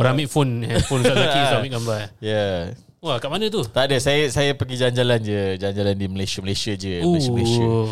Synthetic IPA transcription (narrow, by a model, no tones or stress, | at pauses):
oɾamiʔ̚fonɛfɔnkaakisamiɡambaja | wakaʔmanə̃t̪ut̪adəsajəsajəpəɡid͡ʒaɲd͡ʒaland͡ʒəd͡ʒaɲd͡ʒalandiməlajsəməlajsiad͡ʒəoasəməlasa